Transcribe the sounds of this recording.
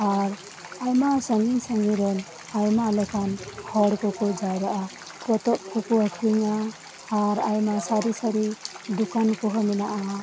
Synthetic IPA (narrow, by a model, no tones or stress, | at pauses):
aɾ | ajmasaŋiŋsaŋiɾɔn | ajmalɔkʰanhɔɽkɔkɔd͡ʒajɾaʔa | pɔt̪ɔp̚kʰukuakʰiŋaː | ɾajmasaɾisaɾi | dukankɔɦɔminaʔa